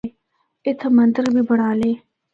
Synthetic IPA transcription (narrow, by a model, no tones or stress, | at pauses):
ɪt̪ʰɐmɐnd̪əɾbibɐɽaːleː